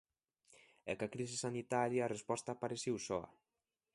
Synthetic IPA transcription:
ɛ̰kakɾis̬ɪsanit̪aɾjaːrespɔst̪apaɾesiwsɔa̰

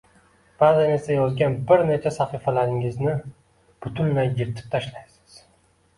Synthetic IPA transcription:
b̥azɪne̞ɾsajɒzɡʲanbɪɾne̞t͡ʃʰasaχifalaɾɪŋɪznɪ | b̥ʊt̪ʰʊlmajɡʲɪɾt̪ʰɪ̥p̚t̪ʰaʃlajsɪ̥z̥

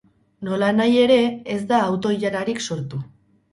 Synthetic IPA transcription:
no̞lanaje̞ɾe̞ezd̪aːwt̪o̞iʎaɾaɾikso̞ɾt̪u

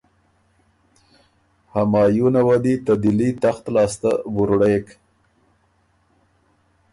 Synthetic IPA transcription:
hamɑːjunawad̪it̪ad̪ɪlit̪axt̪lɑːst̪abuɾɽek

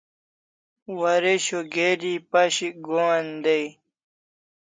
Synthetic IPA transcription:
wɐɾeɕoɡeːɾipɐɕiɡond̪ei

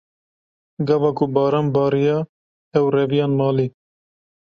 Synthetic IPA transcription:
ɡɑvɑːkʰʊbɑːɾɑːmbɑːɾijɑː | ɛwrɛvijɑːnmɑːliː

